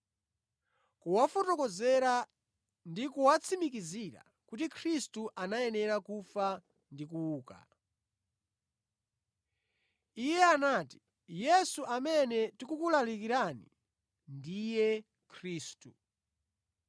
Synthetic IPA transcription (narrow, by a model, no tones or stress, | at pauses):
kuwafɔtɔkɔzɛɾa | ndikuwat͡sʰimikiziɾa̰ | kutikʰɾistuʔanajɛnɛɾakufa | ndikuuːka̰ | ijɛanaːti̥ | jɛsuʔamɛnɛtikukulalikiɾanḭ | ndijɛ | kʰɾiːstu